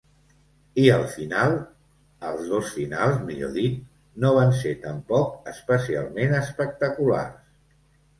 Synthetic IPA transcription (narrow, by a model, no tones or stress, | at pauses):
iəlˠfinalˠ | əlˠzðosfinalˠzmiʎo̰ðit̪̚ | noβ̞anset̪əmpɔkəspəsia̰lˠmenəspək̚t̪əkula̰rs